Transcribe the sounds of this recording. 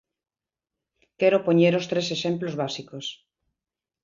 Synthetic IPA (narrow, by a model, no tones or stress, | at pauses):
keɾopoɲeɾost̪ɾeseʃẽmplozβasikos